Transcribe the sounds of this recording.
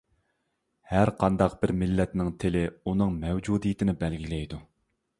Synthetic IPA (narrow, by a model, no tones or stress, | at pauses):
hæɾqʰɑnd̪ɑqb̥ɪɾmɪlːɛt̪nɪŋt̪ʰɪlɪunɨŋmɛwd͡ʒud̪ijit̪ʰɪnɪbɛlɡʲilɛjd̪u